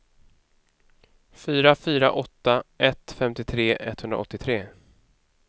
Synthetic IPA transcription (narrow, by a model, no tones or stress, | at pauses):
fyːɾafyːɾa̰ʔɔt̪ːaʔɛt̪fɛmt̪ɪt̪ʰɾeːʔɛt̪hɵnd̪ɾa̰ɔt̪ːɪt̪ʰɾeː